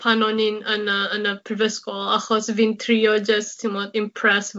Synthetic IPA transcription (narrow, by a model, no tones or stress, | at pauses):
pʰanɔninənəːnəpʰɾɪvɛskɔla̰xɔsvint̪ʰɾiɔd͡ʒəstʰimɔd̪ɪmpʰɹɛs